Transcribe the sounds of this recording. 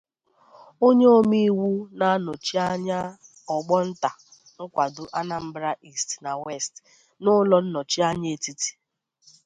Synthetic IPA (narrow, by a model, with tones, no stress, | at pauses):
o˦ɲe˦o˦mi˦wu˦na˨˦no˨t͡ʃi˦a˦ɲa˦ | ɔ˨ɡ͡bɔ˦n̩˦ta˨ | ŋ̩˦kʷa˨dʊ˨ʔa˦na˨m̩˦bɾa˦ʔi˦˨stna˨we˦˨st | nʊ˦lɔ˦n̩˦nɔ˨t͡ʃi˦a˦ɲ˦e˦ti˦ti̥˨